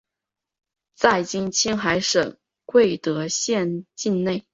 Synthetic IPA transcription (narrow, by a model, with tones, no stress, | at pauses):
t͡sa˥˩ɪt͡ɕi˥ŋt͡ɕʰi˥ŋxa˧˥ɪʂɤ˨˩ŋ | kwe˥˩ɪt̪ɤ˧˥ɕjɛ˥˧nt͡ɕi˥˧nne˥˩ɪ